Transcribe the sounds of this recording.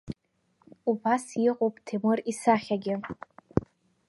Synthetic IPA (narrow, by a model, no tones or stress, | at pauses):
ubasjiqʼowpʼtʰemɨrisaχʲaɡʲɪ